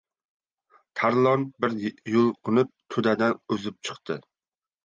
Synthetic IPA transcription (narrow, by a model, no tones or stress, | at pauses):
t̪ʰaɾlˠɒnbɪɾjʊlˠqʰʊnɪp̚t̪ʰʊd̪ad̪anɵzɪp̚t͡ʃʰɨ̥qt̪ʰɪ